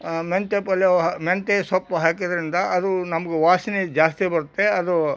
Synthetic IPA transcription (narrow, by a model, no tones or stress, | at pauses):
ment̪epɐlɐment̪esɔpːɐɦaːkid̪ɐɾind̪ɐʔɐd̪unɐmɐɡeʋaːsinid͡ʒaːst̪ibɐɾut̪ːe̞ɐd̪u